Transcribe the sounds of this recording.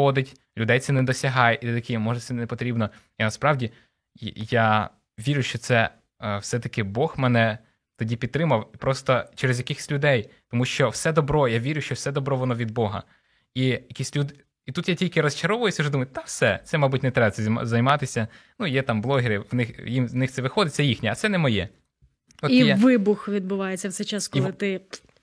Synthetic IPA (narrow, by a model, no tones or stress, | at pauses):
ɔd̪ɪtʲ | lʲʊd̪ɛjt̪sɛnɛd̪ɔsʲɐɦɑjit̪ɛt̪ɐkʲimɔʐɛt̪sɛnɛpɔt̪ɾʲibnɔ | inɐspɾɑwdʲi | ja | ʋʲiɾʲʊʃt͡ʃɔt̪sɛ | wsɛt̪ɐkɪbɔxmɛnɛ | t̪ɔdʲipʲid̪̚t̪ːɾɪmɐwpɾɔst̪ɔt͡ʃɛɾezjɐkʲɪxɪ̥sʲlʲʊd̪ɛjt̪ɔmuʃt͡ʃɔwsɛd̪ɔbɾɔjaʋʲiɾʲʊʃt͡ʃɔwsɛd̪ɔbɾɔʋɔnɔʋʲid̪̚bɔɦɐ̰ | ijɐkʲisʲtʲlʲud̪ɪ | it̪ut̪jatʲilʲkɪɾɔst͡ʃɐɾɔʋʊjʊsʲɐʒɔd̪umɐjʊt̪awsɛt̪sɛmɐjbutʲnɛt̪ɾɛbɐt̪ʲɛ̰zɐjmɑt̪ɪsʲɐ | nujɛt̪ɑmblˠɔɦɪɾɪʋnɪxjimznɪxsɛʋɪxɔd̪ɪt͡sʲːɐjixnʲiɐt̪sɛnɛmɔjɛ̰ | ɔijʋɪbʊxʋʲid̪̚bʊʋɑjet͡sʲːɐwsɛt͡ʃaskiɪt̪ɪ